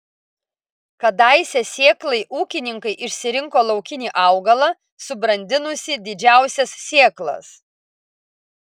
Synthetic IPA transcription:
kɐd̪ɐˑɪsʲɛsʲeːklˠɐɪʔuːkʲɪnʲɪŋkɐɪʔɪʃʲsʲɪɾʲɪŋkoːlˠɒʊkʲɪnʲiːʔɐˑʊɡɐlˠɐ | sʊbɾɐnʲd̪ʲɪnʊsʲɪd̪ʲɪd͡ʒʲæˑʊsʲɛssʲeːklˠɐ̰s

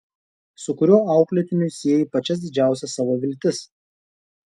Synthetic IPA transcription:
sʊkʊɾʲuːɑˑʊkʲlʲɛt̪ʲɪnʲʊsʲiɛjipɐt͡ʃʲɛs̬d̪ʲɪd͡ʒʲæˑʊsʲɛsɑːʋoʋʲɪlʲt̪ʲɪs

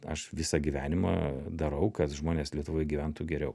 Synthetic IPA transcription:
ɐ̰ʃʋʲɪsɐɡʲiʋʲæːnʲɪmɐ̰d̪ɐɾɐʊkɐt̪ʒmoːnʲeːslʲiɛt̪ʊʋoːjɡʲiʋʲænt̪uːɡʲɛɾʲɛʊ

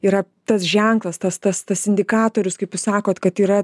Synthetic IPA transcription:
iːɾɐ | t̪ɐsʒʲɛŋklˠɐst̪ɐst̪ɐst̪ɐsɪnʲd̪ʲɪkɑːt̪oːɾʲʊskɐɪpjʊsɑːkoːt̪kɐt̪iːɾɐ

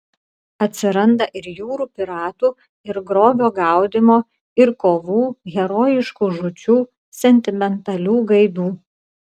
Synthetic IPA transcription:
ɐt̪ʲsʲɪɾɐnd̪ɐʔɪɾjuːɾuːpʲɪɾɑːt̪uː | ɪɾɡɾoːʋʲoːɡɑˑʊd̪ʲɪmoː | ɪɾkoːʋuːɣʲɛɾoːjɪʃkuːʒʊt͡ʃʲuː | sʲɛnʲt̪ʲɪmʲɛnt̪ɐlʲuːɡɐɪd̪uː

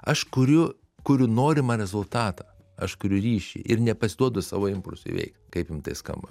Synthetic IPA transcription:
ɐʃkʊɾʲʊ | kʊɾʲʊnoːɾʲɪmɐɾʲɛzʊlˠt̪ɑːt̪ɑː | ɐʃkʊɾʲʊɾʲiːʃʲḭʔɪrnʲɛpɐsʲɪd̪uɔd̪ʊsɑ̰ːʋoːɪmpʊlʲsʊḭʋʲɛ̰ɪkt̪kɐɪpjɪmt̪ɐɪskɐ̰mbɐ

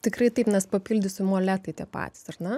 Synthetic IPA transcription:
t̪ʲɪkrɐɪt̪ɐɪpnʲɛspɐpʲiːlʲd̪ʲʊsʲɪmoːlʲæːt̪ɐɪt̪ʲiɛpɑ̰ːt̪ʲɪ̥sɐrnɐ

